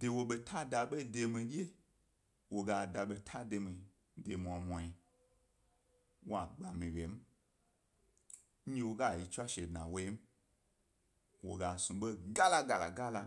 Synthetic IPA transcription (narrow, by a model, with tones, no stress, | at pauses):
d̥e˨wo˧ɓe˧tʰa˦da˨ɓe˦de˧mĩ˧ɗi˦e˦ | wo˨ɡa˧˨da˨ɓe˧tʰa˦de˧mĩ˧ | de˨m̃˨ã˨mʷɔ̃˨ji˨ | wo˦a˨ɡ͡ba˨mĩ˨wʲe˨˦m̩˦ | ɲĩ˦wo˦ɡa˦˨ji˨˧t͡ʃʷa˦ʃe˨dnã̰˨wo˧i˦m̩˦ | wo˨ɡa˨sũ˨ɓe˦ɡa˦la˦ɡa˨la̰˨ɡa˦la˧